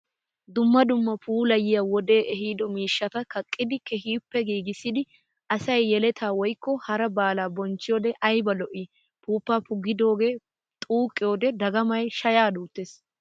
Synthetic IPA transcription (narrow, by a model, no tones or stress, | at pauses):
d̪ʊmːɐd̪ʊmːɐpʰuːlɐjɪjɐwɔd̪e̞ːʔɛɦiːd̪ɔmiːʃːɐt̪ɐkʰɐkʼːɪd̪ɪkɛɦiːpːɛɡiːɡɪsːɪd̪ɪ | ʔɐsɐjːɛlɛt̪ʰaːwɔjkːɔhɐɾɐbaːlaːbɔnt͡ʃːɪjoːd̪ɛʔɐjbɐlɔʔi | puːpːaːpʊɡɪd̪o̞ːɡe̞ː | t̪ʼuːkʼːɪjoːd̪ɛd̪ɐɡɐmɐjʃɐjaːd̪uːt̪ːeːs